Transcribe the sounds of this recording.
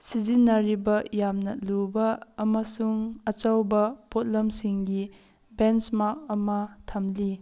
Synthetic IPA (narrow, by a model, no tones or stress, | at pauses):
sizinːɐɾibɐjamnɐ̰lubɐːmɐsuŋɐt͡ʃawbɐpot̚lɐmsiŋɡi | bensmak̚ɐmɐtʰɐmli